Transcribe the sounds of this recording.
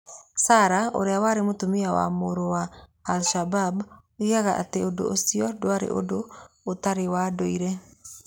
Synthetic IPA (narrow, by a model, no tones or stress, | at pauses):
saɾao̰ɾeawaɾemotomiawa̰moɾowaːlʃabab | iaɣaʔa̰teodo̰ʔosiɔdwaɾḛʔo̰doː | taɾewadoiɾɛ